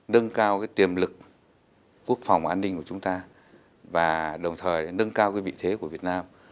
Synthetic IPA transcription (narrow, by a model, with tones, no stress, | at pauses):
nə˧nkaː˧wkaː˨˦jt̪i˨˩əmlɨ˨˩k̚ | kːu˦˥ək̚fa˨˩wŋ͡mʔaː˧nːï˧ŋ̟ku˧˩ət͡ɕʊ˨˦ŋ͡mt̪aː˧ | vaː˨˩ɗə˨˩wŋ͡mt̪ʰəː˨˩jnə˧nkaː˧wkaː˨˦vḭ˧˨t̪ʰe˨˦ku˧˩əvi˨˩ət̚naː˧m